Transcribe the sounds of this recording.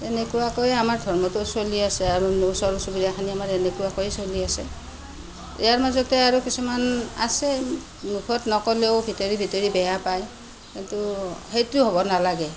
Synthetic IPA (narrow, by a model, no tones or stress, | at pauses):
tenekuwakɔjamaɹdʱɔɹmɔtusoliasɛaɹunsɔɹusubiɾakʰaniamaɹɛnekuwakɔjesoliasɛ̰ | ḭjaɹmazɔtɛaɹukisumana̰sɛ | mukʰɔtnɔkɔleobʱitɔɹibʱitɔɹibɛjapaj | kintuhejtuɦobɔnalaɡɛ